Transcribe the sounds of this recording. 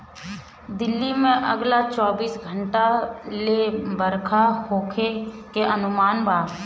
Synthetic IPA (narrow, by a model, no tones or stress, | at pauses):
d̪ɪlːimẽʔɐ̰ɡlat͡ʃɔːbiːsɡʱəɳʈalebəɾkʰahoːkʰekeʔənʊmaːnbaː